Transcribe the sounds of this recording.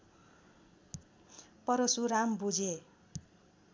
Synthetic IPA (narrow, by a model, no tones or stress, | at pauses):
pʌɾosuɾambud͡ze